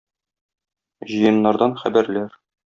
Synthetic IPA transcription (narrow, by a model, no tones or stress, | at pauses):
ʑɤ̆jɤ̆nːɑɾd̪ɑnχæbæɾlæɾ